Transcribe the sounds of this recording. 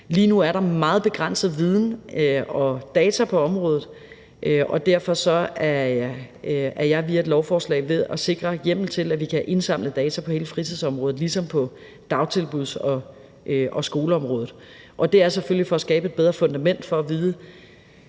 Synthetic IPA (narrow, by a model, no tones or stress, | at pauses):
liːnuæɐɾɑ̈mɑ̈ːð̞̩ˠb̥e̝ɡ̥ʁan̰sð̞̩ˠʋið̞ˠn̩ɒ̽d̥ɛːt͡sʰæpʰɒ̽ɒ̽mʁɔːðˠð̩ˠ | ʔʔɒ̽d̥æɐ̰fɒ̽sɒ̽æ | æɐjɑ̈ɪʋiɐe̝d̥lɒʊfɒːslɛ̰ɪ̰ʋe̝ðˠʔɒse̝ɡ̥ʁɐjem̰l̩t͡sʰe̝læʋikʰæʔe̝nsɑ̈m̰ləd̥ɛːt͡sʰæpʰɒ̽he̝ːləfʁit͡sʰiðˠsɒ̽mʁɔ̽ːð̩ˠlisɒ̽mpʰɒ̽ | d̥ɑ̈ʊt͡sʰe̝lb̥uðˠsɒ̽ | ʔøʔɒsɡ̥o̝ːləɒ̽mʁɔ̽ːðð̩ˠ | ʔɒ̽d̥e̝æɐseføl̰lifɒ̽ːsɡ̥ɛːb̥əe̝d̥̚b̥eð̞ˠʁɐfɔ̽nd̥æmen̰d̥fɒ̽ːʋiːð̞ˠ